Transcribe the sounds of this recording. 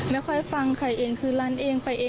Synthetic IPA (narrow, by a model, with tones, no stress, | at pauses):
mɛː˧˩kʰɔ˧˩jfa˧ŋkʰa˧˩jʔeː˧˩ŋkʰɯː˧˩la˧˥˨nʔeː˧ŋpa˧˩jʔeː˧